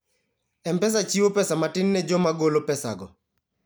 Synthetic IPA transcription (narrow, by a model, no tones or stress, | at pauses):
ɛmpɛs̬at͡ʃiwopɛsamatɪnːɛd͡ʒɔmaɡolopɛsa̰ɡɔ̰